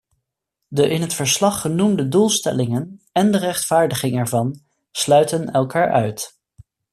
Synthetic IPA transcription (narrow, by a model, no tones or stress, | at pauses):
dəʔɪnɦətfəɹslɑχːənumdədulˠstɛ̰lɪŋənɛndərɛχtfaːɹdəχɪŋɛɹvɑn | slœɥtənɛlˠkaːɹʔœɥt